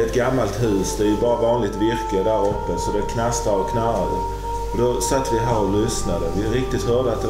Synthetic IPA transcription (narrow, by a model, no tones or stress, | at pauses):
ɛt̪ɡamːalt̪hʉ̟ːsd̪ɛæɾjɵbɑːɾavɑːnlɪt̪vɪɾklɪəd̪æɾɔpːəsɔd̪ɛkʰnast̪aɔkʰnaɾad̪ə̰ | ɔd̪ɔsat̪ːvɪɦæːɾɔlʏsnad̪əvɪɾɪk̚t̪ɪt̪hœːɖəat̪̚d̪ɛ